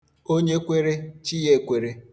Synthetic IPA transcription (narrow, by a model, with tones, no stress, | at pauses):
o˦ɲe˦kʷe˦ɾe˦t͡ʃi˦je˦˨kʷe˨ɾe˦